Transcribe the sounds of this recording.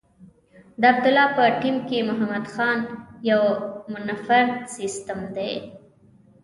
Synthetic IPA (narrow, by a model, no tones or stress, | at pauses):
d̪əab̚d̪ʊlɑpəʈimkemʊɦamad̪xɑnjawmʊnafaɾsist̪əmd̪ej